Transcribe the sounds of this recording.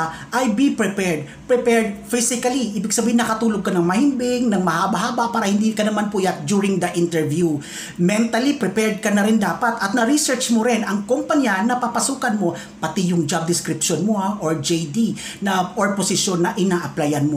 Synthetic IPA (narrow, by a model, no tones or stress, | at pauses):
ʔajbipɹɛpɛɹd̪̚ | pɹɛpɛɹd̪̚fɪsɪkɐliʔiːbɪɡ̚sɐbiːhɪnːɐkɐt̪uːloɡ̚kɐnɐŋmɐhɪmbɪŋnɐŋmɐhaːbaɦaːbapaːɾɐhɪnd̪ikɐnɐmanpʊjat̪d͡ʒuɹɪŋd̪ɐʔɪnt̪ɛɹvju | mɛnt̪ɐlipɾɛpɛɹd̪̚kɐnɐɾɪnd̪aːpat̪ʔɐt̪̚nɐɾisɛɹt͡ʃmoɾɪnɐŋkompɐɲjanɐpapɐsuːkɐnmo̞ | pɐt̪ɪjʊŋd͡ʒab̚d̪ɪskɾɪpʃonmoaʔoɹd͡ʒejd̪i | nɐʔoɹposɪʃjonːɐʔɪnaːʔɐplajɐnmo